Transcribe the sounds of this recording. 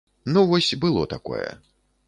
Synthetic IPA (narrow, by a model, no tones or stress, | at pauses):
nuvɔsʲbɨlˠɔt̪akɔ̰jɛ̰